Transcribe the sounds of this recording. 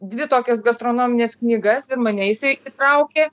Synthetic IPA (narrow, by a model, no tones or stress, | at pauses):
d̪ʲʋʲɪt̪oːkʲɛsɡɐst̪ɾoːnoːmʲɪnʲeːsknʲiːɡɐsɪɾmɐnʲɛjɪsɐɪʔiːt̪ɾɐʊkʲeː